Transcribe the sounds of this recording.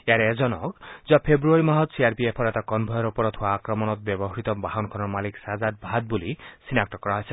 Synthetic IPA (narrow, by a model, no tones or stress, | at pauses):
eaɾeed͡ʒɔnɔkd͡ʒapʰebɾuaɾimaɦɔt̪siaɾpiepʰɔɾet̪akɔnbʱɔjɔɾupɔɾɔt̪ʰuaːkɾɔmɔnɔt̪̚bjɔbɔɦɔɾit̪ɔbaɦɔnkʰɔnɔmaliksazad̪̚bʱad̪̚bulisinakʈɔkɔɾaɦɔjsʰe